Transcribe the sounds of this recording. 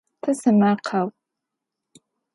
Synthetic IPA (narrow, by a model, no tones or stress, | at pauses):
tʰɨsɨmaqʰaw